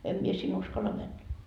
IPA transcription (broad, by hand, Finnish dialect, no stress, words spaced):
em mie sin uskɑlːɑ mænːæ